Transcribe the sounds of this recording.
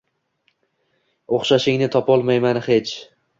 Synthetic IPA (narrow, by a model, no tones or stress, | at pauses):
oχʃaʃɪŋnɪt̪ʰɒpʰɒlˠmajmanhe̞t͡ʃʰ